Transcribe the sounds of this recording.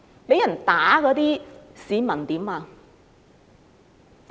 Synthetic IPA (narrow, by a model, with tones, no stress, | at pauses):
be˨˥˦jɐ˨˩nt̪aː˨˥kɔː˨˧˥t̪iː˦˥siː˨˧˦mɐ˨˩nt̪iː˨˥mːaː˨˧